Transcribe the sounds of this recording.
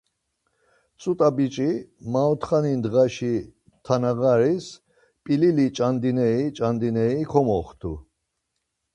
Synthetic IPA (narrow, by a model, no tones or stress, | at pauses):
t͡sʼut̪ʼabit͡ʃʼimaɔt̪ʰχanind̪ʁaʃi | t̪ʰanaɣaɾis | pʼililit͡ʃʼand̪inɛit͡ʃʼand̪inɛikʰɔmɔχt̪ʰṵ